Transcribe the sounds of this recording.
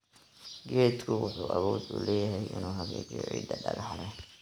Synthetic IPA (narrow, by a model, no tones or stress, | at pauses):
ɡɛːt̪kʰʊwʊħuːʔɐβɔːd̪ʊ̰lɛːjɐɦɛjʔɪnuːɦɐɣɛːɡɛʕḭːd̪ɐɖɐɣɐħlɛ